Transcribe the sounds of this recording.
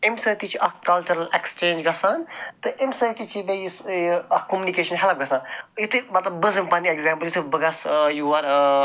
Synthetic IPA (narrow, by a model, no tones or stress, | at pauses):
emsɐt̪it͡ʃʰiʔɐkɐlt͡ʃuɾɐlekst͡ʃẽːnd͡ʒɡɐsaːnt̪ɨʔemsɐt̪it͡ʃʰibejisɐkomunikeːʃɐnɦɛlɐp̚ɡɐsãːnjut̪ʰɨmɐt̪lɐbbɐzɨmpanieɡzʲãːmpəljut̪ʰɨbɐɡɐsjuaːɾ